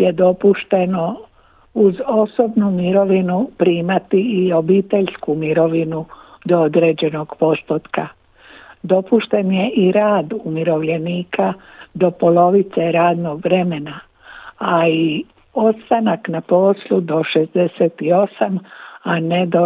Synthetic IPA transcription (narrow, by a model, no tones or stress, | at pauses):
je̞d̪o̞puʃt̪e̞no̞ | uzo̞so̞bnumiɾo̞ʋinupɾiːmat̪iːo̞biːt̪e̞ʎskumiɾo̞ʋinud̪o̞od̪ɾe̞ːd͡ʑe̞no̞ɡ̥po̞st̪ot̪ka | d̪o̞puʃt̪e̞nje̞ʔiɾaːd̪umiɾo̞ʋʎe̞niːkʰa | d̪o̞po̞lo̞ʋit̪se̞ɾaːd̪no̞ɡʋɾe̞me̞na | ai | o̞t̪st̪anaknapo̞slˠud̪o̞ʃe̞zd̪e̞seːt̪io̞samane̞d̪o